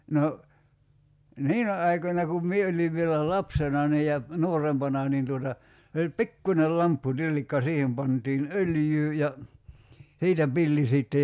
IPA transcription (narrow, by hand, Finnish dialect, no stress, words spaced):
no niːnæ ɑikonʲɑ kum mie oliʋ ʋielæ lɑpsenɑ niː jɑ nuorempɑnɑ niːn tuotɑ se olʲ pikːunʲel lɑmpːutilːikːɑ siːhem pɑntiːn øljyː jɑ siːtæ pilːi siˑtːe